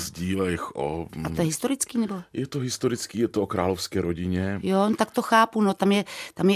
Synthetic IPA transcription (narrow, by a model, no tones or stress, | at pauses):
zɟiːlɛɪxʔo̰at̪ojɛɦɪst̪oɾɪt͡skiːnɛbojɛt̪oɦɪst̪oɾɪt͡skiːjɛt̪ookɾaːlofskɛːɾoɟɪɲɛjont̪ak̚t̪oxaːpunot̪amjɛt̪amjɛ